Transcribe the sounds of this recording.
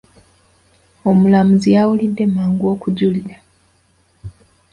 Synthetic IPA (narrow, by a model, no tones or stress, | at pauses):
o̞mulamuzijawulidːe̞maːŋɡwo̞ːkuɟulila